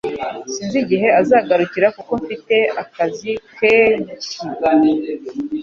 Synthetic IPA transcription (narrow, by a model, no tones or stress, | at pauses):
siːnziɟiɦe̞azaːɡaɾuciɾakuko̞ɱfite̞akazikeɲ